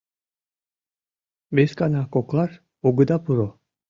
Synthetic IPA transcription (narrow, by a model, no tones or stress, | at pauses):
beskanakoklˠaɾ | oɡɯd̪apʰuɾo